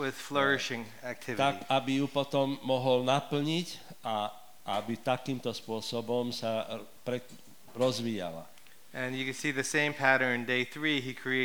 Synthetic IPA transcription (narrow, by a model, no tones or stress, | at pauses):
wɪð̥flɜ˞ɪʃɪ̃ŋ | æk̚tʰɪvt̪aɾikabijupɔt̪ɔmːɔɦɔlnapl̩ɲiɟa | ʔa̰bit̪akiːmt̪ɔspʊɔsɔbɔmsa | pɾɛ | ɾɔzʋiːja̰la̰ | ɨ̃njɨkɨ̃nsiðɨsẽɪ̃mpʰæɾə̃˞ndeɪθɹiɦikʰɹ̥ie